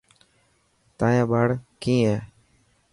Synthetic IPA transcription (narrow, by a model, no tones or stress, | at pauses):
t̪ãːjãːɓaːɽkĩːɛː